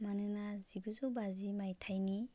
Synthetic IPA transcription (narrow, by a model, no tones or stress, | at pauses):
manɯnaziɡuzɔbazimajtʰajni